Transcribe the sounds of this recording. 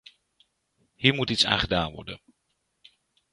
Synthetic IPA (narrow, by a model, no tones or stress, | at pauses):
hiːɹmutitsa̰ːnχədaːnʋɔ̰ɹdə̰n